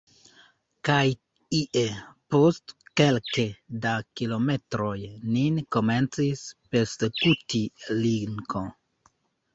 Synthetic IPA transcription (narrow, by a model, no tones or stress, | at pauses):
kaj | iʔepostkelkedakilo̞me̞tɾo̞jninko̞me̞nt͡sispesekutiliŋko